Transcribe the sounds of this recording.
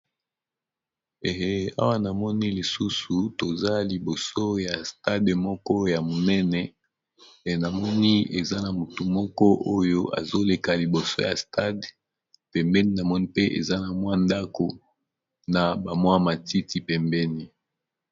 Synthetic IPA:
e˨ɦe˦a̰˦wa˦na˨mɔ˦ni˦li˨su˦su˨to˨za˦li˨bo˨so˦ja˨sta˦dmɔ˦kɔ˦ja˨mo˨nɛ˦nɛ˨ | e˨na˨mɔ˦ni˦e˨za˦na˨mu˨tu˨mɔ˦kɔ˦ʔo˦jo˦a̰˨zo˦le˨ka˨li˨bo˨so̰˦ja˨sta˦d | pɛ˨mbɛ˦ni˦na˨mɔ˦ni˦pe˦ʔḛ˨za˦na˨mwa˦nda˦ko˨ | na˨ba˨mwa˦ma˨ti˦ti˨pɛ˨mbɛ˦ni˦

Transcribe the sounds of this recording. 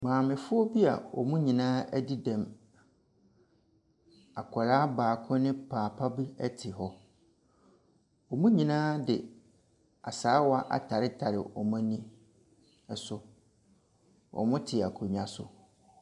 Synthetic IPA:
mãː˨mɪ̃˨fʊ˦ɔ˦bi˦a̰˨ɔ̰˨mũ˦ɲĩ˨nãː˦ɛ˦di˦dɛ̃˨m | a˨kʰɔ˨ɾaː˦baː˨kʰɔ̃˦nɪ̃˦pʰaː˨pʰa˦bi˦ɛ˦tʰɪ˨ɦɔ˦ | ɔ˨mũ˦ɲĩ˨nãː˦dɪ˨ | a̰˨saː˨˦wɔ˦a˦ʔa̰˨tʰa˨ɾɪ˦tʰa˨ɾɪ̰˨ʔɔ˨mã˦nĩ˦ | ɛ˨sʊ˨ | ɔ̰˨mʊ̃˦tʰɪ˨a˨kʰo˨ɲ˨ã˦sʊ̰˨

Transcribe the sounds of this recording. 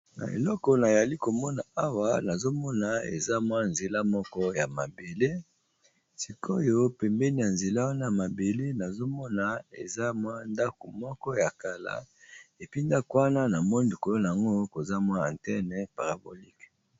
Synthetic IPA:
na̰˨ḛ˨lɔ˦kɔ˨na˨ja˨li˦ko˨mɔ˦na˨a˦wa˦na˨zo˦mɔ˦na˨ḛ˨za˦mwa˦nze˨la˦mɔ˦kɔ˦ja˨ma˨be˨le˦ | si˨kʰo˦jo˦pɛ˨mbɛ˦ni˦ja˨nze˨la˦wa˦na˦ja˨ma˨be˨le˦na˨zo˦mɔ˦na˨ḛ˨za˦mwa˦nda˦ko˨mɔ˦kɔ˦ja˨ka˨la̰˦e˨pi˦nda˦ko˨wa˦na˦na˨mɔ˦n˨i˨ko˨lo˦na˨a˨ŋɡo˦ko˨za˦mwa˦ã̰˨ntɛ˦nɛ˨pa˨ʁa˨bo˨li˦k

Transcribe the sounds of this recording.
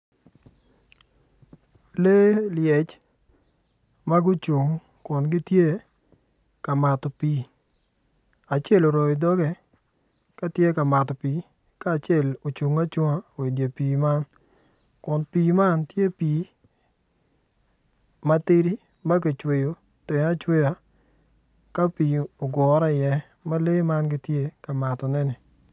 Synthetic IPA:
le˦ljɛ˨t͡ʃ | ma˦ɡʊ˦t͡ʃu˨ŋ | kʊ˨nɡɪ˦tje˦ | ka˨ma˨tɔ˨pi˦ | a˨t͡ʃe˦˨lo˨ɾɔ˨ɪ˨dɔ˦ɡɛ˦ | ka˦tje˦ka˨ma˨tɔ˨pi˨˦ | ka˦˨t͡ʃɛ˦˨lo˨t͡ʃu˨ŋa˦t͡ʃɔ˦ŋa˦˨we˨dja˨pi˨ma˦n | kʊ˨npi˨ma˦ntje˦piː˨ | ma˦te˦ɾi˦ | ma˦k̬e˨t͡ʃwe˨jo˨ | te˨ŋa˦t͡ʃwe˦ja˦ | ka˦pi˨o˨ɡɔ˨˦ɾa˦ɪ˨jɛ˦ | ma˦le˦ma˦nɡɪ˦tje˦ka˨ma˨tɔ˨nɛ˦nɪ˨

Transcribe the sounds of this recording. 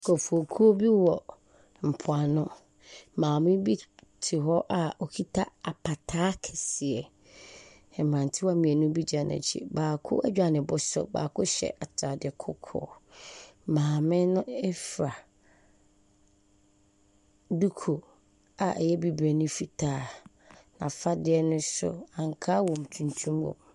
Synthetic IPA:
kʰɔ˨fu˨o˨kʰu˦o˦bi˦wɔ˨ | m̩˨pʰʊ˨a˨nʊ̃˦ | mãː˨mɪ̃˦bi˦tʰɪ˨ɦɔ˦ʔa˨ɔ˨kʰi˦tʰa˦a˨pʰa˨tʰaː˦kʰɛ˨sɪ˨ɛ˨ | ɛ˨m˨ã˨n˨tʰɪ˦wa˦˨mĩ˨ɛ˨nʊ̃˦bi˦d͡ʑa˨nã̰˨t͡ɕʰḭ˨baː˨kʰʊ̰˦ʔɛ˦d͡ʑᶣa˨nɪ̃˨bʊ˦sʊ̰˦ba̰ː˨kʰʊ˦ɕɛ̰˨ʔa˨tʰɾa˨dɪ˨ɛ˨kʰʊ˦kʰɔ̰ː˨ | mãː˨mɪ̃˦nʊ̃˦ɛ˦fɾa˨ | du˦kʰo˨ | a˨ʔɛ˨jɛ˦bi˨bɾɛ˨nʊ̃˦fi˨tʰaː˦ | nã˨fa˦dɪ˦ɛ˦nʊ̃˦sʊ̰˦ã˨ŋkʰaː˦wɔ̃˨m̩˨tʰũ˨ntʰũ˦mwɔ̰˨

